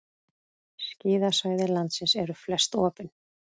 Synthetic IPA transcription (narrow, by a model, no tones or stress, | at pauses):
sciːðasvaːjðɪlant̪sɪnsɛɾʏflɛst̪ɔːpɪn